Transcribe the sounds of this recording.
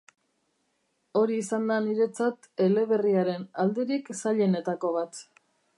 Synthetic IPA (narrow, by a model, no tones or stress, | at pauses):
o̞ɾiːsand̪aniɾe̞t͡sat̪ | e̞le̞βe̞riaɾe̞nald̪e̞ɾiksaʎe̞ne̞t̪ako̞β̞at̪